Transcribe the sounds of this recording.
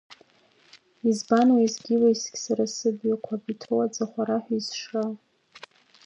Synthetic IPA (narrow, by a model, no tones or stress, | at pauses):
izbanwaizɡʲiwaisɡʲsaɾasɨbjakʷʰabitʰowad͡zaχʷaɾaħʷᶣaizʂra